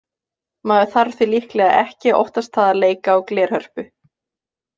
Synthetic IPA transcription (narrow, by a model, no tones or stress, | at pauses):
maːðʏθaɾ̥θvilihklɛːɣaʔɛ̰hcɪʔɔ̰ht̪ast̪θaðaleːjkaawklɛːɾ̥hœr̥pʏ